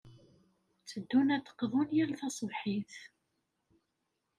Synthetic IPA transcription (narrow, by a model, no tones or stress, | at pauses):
t͡sːəd̪ːunæθə̥qːðˤʊnjælθɑsˤvħiθ